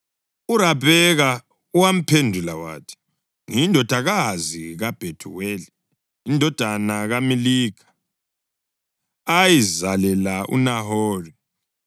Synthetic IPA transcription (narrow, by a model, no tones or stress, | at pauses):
uɾaβɛɣa | uwam̩pʰendʱulawa̰ːtʰi̥ | ŋindʱɔd̥ʱaɣaziɣab̥ʱetʰṵweli | indʱɔd̥ʱanaɣamiliːkʰḁ | jizalɛlaʔṵnaɦoːri